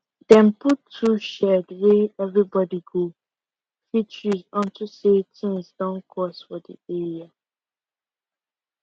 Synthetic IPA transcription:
dɛ̃mputʰːuʃɛdweɛvɹibɔdiɡo | fit͡ʃɹuzɔ̃ntʰusetĩŋzdɔ̃nkʰɹɔsfɔdḭɛɹia

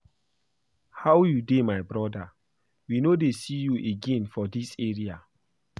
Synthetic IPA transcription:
hawjudemajbɹɔda | winodesijuʔeɡẽnfɔdiseɹia

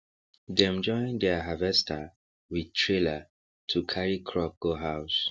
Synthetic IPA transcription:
dɛ̃md͡ʒɔ̃ɪ̃ndɛɦavɛstʰa | widtʰɹela | tʰukʰaɹikʰɹɔk̚ɡ̥oɦaʊs

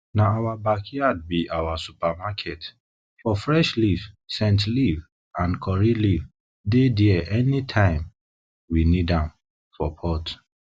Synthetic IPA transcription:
naawabakʰiad̚biʔawasupamakʰɛt | fɔfɹɛʃliv̥sɛ̃ntliv | ãnkʰɔɹiliv | dediɛʔɛnitʰãɪ̃m | winidãm | fɔpʰɔt

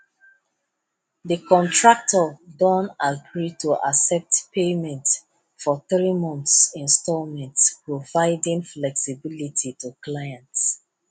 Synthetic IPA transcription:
ðəkɔ̃ntʰɹak̚tʰɔdɔ̃napʰɹitʰuʔa̰sɛp̚tpʰemɛ̃nt | fɔθɹimɔ̃nθsĩnstɔlmɛ̃ntspɹovaɪdĩŋflɛksibilitʰitʰuklajãnts

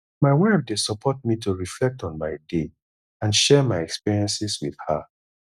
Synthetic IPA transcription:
maɪwɛb̚desɔpʰɔt̚mituɹiflɛk̚tɔ̃nmaɪde | ãnʃɛmaɪɛkspiɹiɛ̃nsiswið̥ha

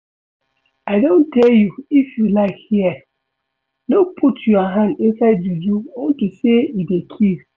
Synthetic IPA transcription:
aɪdõntʰɛljuifjulaɪkhiɛ | lopʰutʰjuaɦãndĩnsaɪdjud͡ʒuõntuseidekʰiz

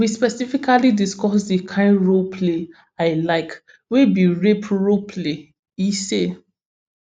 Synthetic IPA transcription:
wispɛsifikalidiskɔsdikʰãɪ̃ɹopʰle | aɪlaɪk | webiɹepɹopʰle | ise

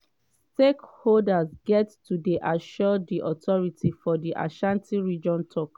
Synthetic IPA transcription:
stekholdazɡɛttːudeʔaʃɔdiʔɔtʰɔɹitʰifɔdiʔa̰ʃãntʰĩɹid͡ʒɔ̃ntʰɔk

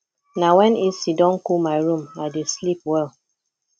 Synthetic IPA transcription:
nawɛ̃nisidɔ̃nkulmaɪɹũmadeslipwɛlˠ

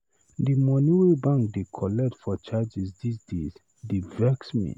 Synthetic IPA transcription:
dimɔnuɹibãŋk̚dekʰɔlɛk̚tfɔt͡ʃad͡ʒizdisdez | divɛksmḭ

